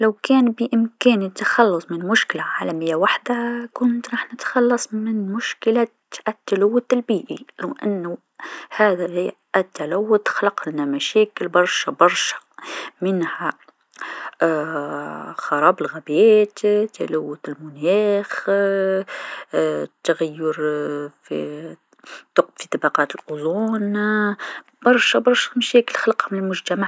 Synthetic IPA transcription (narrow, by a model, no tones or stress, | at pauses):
lawkæːnbɪʔɪmkæːnit̪ːaxɑlːʊsˤmɪnmʊʃkɪlaʕaːlamɪjːawaħd̪akʊnt̪ɾˤɑːħnɪt̪xɑlːɑsˤmɪnmʊʃkɪla | ʔat̪ːalawːʊt̪ɪlbiːʔilɪʔa̰nːʊ | haːða | ʔt̪ːalawːʊt̪xlɑqlnamæʃæːkɪlbɑɾˤʃabɑɾˤʃḁmɪnha | xɑɾˤɑːbəlɣæbeːt̪t̪ːa̰læwːʊt̪əlmʊnæːx | t̪ːaɣæjːʊɾfi | t̪ʊq̚bfit̪ˤɑbɑqɑːt̪əlʔʊzˤuːn | b̥ɑɾˤʃabɑɾˤʃæ̥mæʃæːkəlxɑlɑqhmnəlmʊʒt̪amaʕ